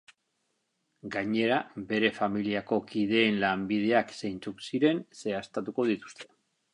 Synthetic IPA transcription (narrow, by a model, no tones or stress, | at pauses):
ɡaɲe̞ɾabe̞ɾe̞familiako̞kiðe̞ːnlambið̞e̞aksejnt͡suksiɾe̞nse̞ast̪at̪uko̞ð̞it̪u̥st̪e̞̥